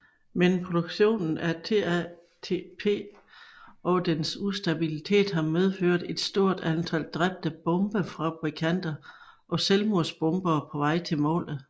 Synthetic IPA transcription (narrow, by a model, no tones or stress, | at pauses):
menpʰʁo̝d̥oɡ̥ɕo̝̰ːnn̩æɐt͡sʰeæ | t͡sʰepʰe̝̰ː | ɒ̽d̥ensusd̥æb̥ilit͡sʰe̝̰ːd̥ɦɑ̈með̞ˠføɐ̰d̥e̝d̥sd̥o̝ɐ̰d̥ænt͡sʰæld̥ʁab̥̚d̥əb̥ɔ̽mb̥əfʁɑ̈b̥ʁikʰæn̰d̥ɐ | ʔɒ̽selmuɐsb̥ɔ̽mb̥ɐːpʰɒ̽ʋɑ̈ɪ̰t͡sʰe̝lmɔ̰ːlð̩ˠ